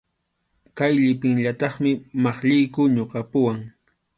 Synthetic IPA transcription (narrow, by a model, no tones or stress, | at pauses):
kajʎɪpɪŋʎat̪ɑχmɪmɑχʎɪjkʊɲoqɑpʊwaŋ